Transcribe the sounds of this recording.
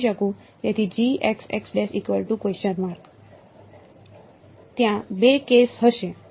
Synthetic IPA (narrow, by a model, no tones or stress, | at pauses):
ʃəkũ | t̪et̪ʰid͡ʑieksɛ̰ksɖesikʋəlʈukʋesənʋaɾk | t̪jãbekesɦəʃe